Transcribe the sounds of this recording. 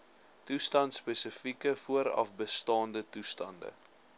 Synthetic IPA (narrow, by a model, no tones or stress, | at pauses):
tustɐntspesəfikəfuəɾɐ̰fbəstɑːndətustɐndə̰